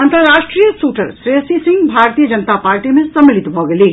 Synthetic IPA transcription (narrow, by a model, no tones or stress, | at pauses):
ɐ̃nt̪əɾɾaːʃʈɾijəsuːʈəɾsɾesisɪ̃ŋɡbʱaːɾt̪ijəd͡ʒɐnət̪apaːɾʈimẽsɐmlit̪bʱɔɡeli